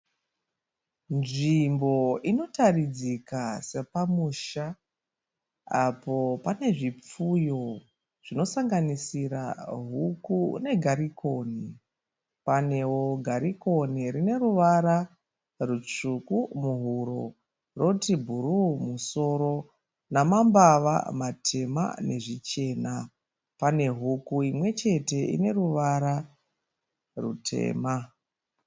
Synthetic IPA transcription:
nʐimbo̞ino̞tarid͡zikase̞pamuːʃa | apo̞pane̞ʐip͡fujo̞ | ʐ̥ino̞saŋɡanisiɾa̰ɦukune̞ɡʱaɾiko̞ni | pane̞woɡʱaɾiko̞niɾine̞ruʋaɾa | rut͡ʂukumuɦuɾo̞̰ | ro̞tibʱuɾumuso̞ɾo̞ | namambaʋa̰matʰe̞ma̰ne̞ʐit͡ʃe̞ːna | pane̞ɦukuimwe̞t͡ʃe̞te̞ḭne̞ɾuʋaɾa | rṵtʰe̞̰ːma

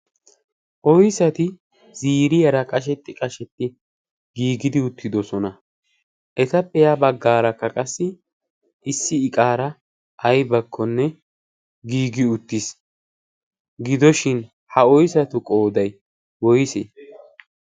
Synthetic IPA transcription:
ʔɔjsɐt̪ɪ | z̥iːɾɪjɐɾɐkʼɐʃ̬ɛt̪ːɪkʼɐʃɛt̪ːɪ | ɡiːɡɪd̪ɪʊt̪ːɪd̪ɔsɔnɐ | ʔɛt̪ɐpʼːɛjabɐɡːaːɾɐkːɐkʼɐsːɪ | ʔɪsːɪːkʼaːɾɐ | ʔːjbɐkʰːɔnːɛ | ɡiːɡɪʊt̪ːɪs | ɡɪd̪ɔʃɪn | hɐɔjsɐt̪ʊkʼo̞ːd̪ɐj | wɔjsɛ

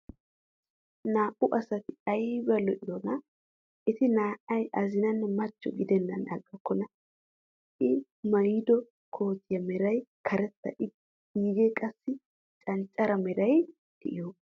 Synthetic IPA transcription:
naːʔʊʔɐsɐt̪ɪɐjbɐlɔʔɪd̪ɔnɐ | ʔɪt̪ɪnaːʔɐjɐzɪnɐnːɛmɐt͡ʃːɔ̰ɡɪd̪ɛnːɐnɐɡɐkːɔnɐ | ɪ | mɐjd̪ɔ | kʰo̞ːt̪ɪjɐmɛɾɐjkʰɐɾɛt̪ːɐ̰ʔɪ | ɡiːɡɛkʼɐsːɪ | t͡ʃʼɐnt͡ʃʼːɐɾɐmɛɾɐj | dɛʔɪjo

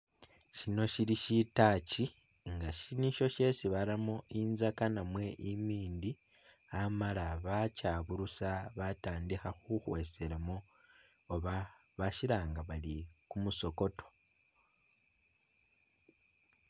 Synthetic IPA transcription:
ʃino̞ʃiɾiʃitaci | ŋɡaʃiniʃo̞ʃe̞siβalamoinzakanamwe̞ʔimiːndi | amalaβacaːβuɾusaβataːndixaxuxwe̞seɾamoː | βa | βaʃiɾaːŋɡaβalikumuso̞ko̞to̞̥

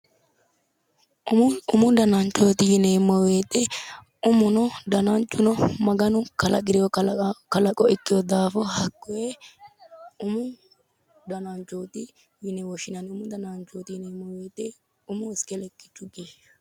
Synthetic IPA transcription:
ʊmʊd̪ɐnɐnt͡ʃːoːt̪ɪjɪnɛmːɔweːt̪ʼɛ | ʊmʊnɔd̪ɐnɐnt͡ʃːʊnɔmɐɡɐnʊkɐlɐɡɪɾɪjɔkɐlɐkʼːɔɪkːɪjɔd̪aːfɔhɐkːɔje | ʊmʊ | d̪ɐnant͡ʃːoːt̪ɪ | jɪnɛwɔʃɪnɐnʊmʊd̪ɐnant͡ʃoːt̪ɪjɪnɛmːɔweːt̪ʼɛ | ʊmʊɪskɛlɛkːɪ̥t͡ʃːʊɡe

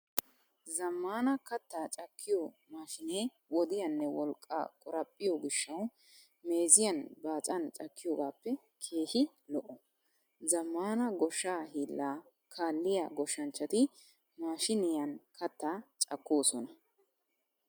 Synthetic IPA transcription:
zɐmːaːnɐkɐt̪ːaːt͡ʃʼɐkːɪjɔ | maːʃɪneː | wɔd̪ɪjɐnːɛwɔlkʼːa̰ːkʼʊɾɐpʼːɪjɔɡɪʃːɐw | me̞ːzɪjɐnbaːt͡sʼɐnt͡ʃʼɐkːɪjoːɡaːpːɛ | kʰe̞ːhɪ | lɔʔɔ | zɐmːaːnɐɡɔʃːaːhiːlːaː | kʰaːlːɪja̰ɡɔʃːɐnt͡ʃːɐt̪ɪ | maːʃɪnɪjɐnkʰɐt̪ːaːt͡ʃʼɐkːo̞ːsɔnɐ

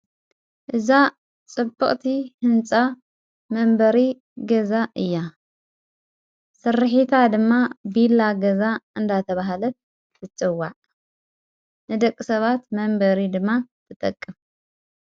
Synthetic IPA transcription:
ʔɨza | t͡sʼɨbːɨχʼt̪ʰihɨnt͡sʼa | mɐmbɐɾi | ɡɐzaʔɨjːa | sɨrħit̪ʰad̪ɨmːabilaɡɐzaɨnd̪at̪ʰɐβaɦalɐt̪̚ | dɨt͡sʼɨwːaʕ | nɨd̪ɐkʼːɨsɐβat̪mɐmbɐɾid̪ɨmːat̪ʰɨt̪ʼɐ̰kʼːɨf

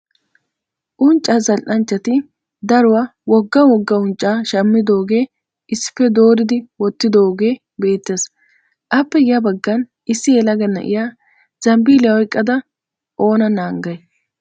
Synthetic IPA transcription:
ʔʊnt͡ʃʼːazɐlʔɐnt͡ʃːɐt̪ɪ | d̪ɐɾʊwawɔɡːɐwɔɡːɐʊnt͡ʃʼːaːʃɐmːɪd̪o̞ːɡe̞ː | ɪsːɪ̥fːɛd̪o̞ːɾɪd̪ɪwɔt̪ːɪd̪o̞ːɡe̞ː | be̞ːt̪ːeːs | ʔɐpːɛɡɪjɐbɐɡːɐn | ɪsːɪɛlɐɡɐnːɐ̰ʔɪ̰ja | z̥ɐmbiːlɪjɐwɔjkʼːɐd̪ɐ | ʔo̞ːnɐnaːŋɡɐj

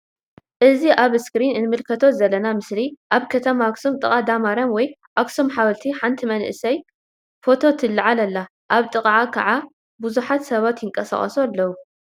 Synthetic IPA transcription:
ʔɨziʔaβskɾinɨnmɨlkʰɐt̪ʰo̞zɐlːɐnamɨsliʔaβkʰɐt̪ʰɐmaksomt̪ʼɨkʼad̪amaɾɐmwɔj | ʔaksomħawɐlt̪ʰiħant̪ʰimɐnʔɨsɐj | fo̞t̪ʰo̞t̪ʰɨlːɨʕalɐlːa | ʔaβt̪ʼɨkʼʕakʰɐ̰ʕa | buzuħat̪sɐβat̪jɪŋkʼɐsa̰χʼɐ̰sualːɐwu

